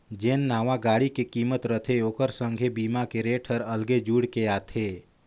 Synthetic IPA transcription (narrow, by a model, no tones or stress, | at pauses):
d͡ʒeːnːaːʋaɡaːɽikekiːmət̪ɾət̪ʰeoːkəɾsə̃ŋɡʱebiːmakeɾeːʈʰəɾəlɡed͡ʒuːɽkeaːt̪ʰeː